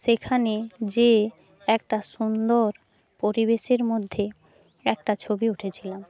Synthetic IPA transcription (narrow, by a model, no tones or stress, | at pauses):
ʃekʰaned͡ʑe | ɛk̚ʈaʃund̪oɾ | poɾibeʃeɾmod̪ʱːe | ɛk̚ʈat͡ɕʰobiuʈʰet͡ɕʰilam